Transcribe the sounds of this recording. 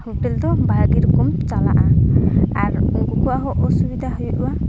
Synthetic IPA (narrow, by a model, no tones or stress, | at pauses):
hoʈeld̪ɔbʱaɡiɾɔkɔmt͡ʃala̰ʔã | aɾuŋkɔkuaɦɔʔɔsubid̪ʱaɦɔjʔuwa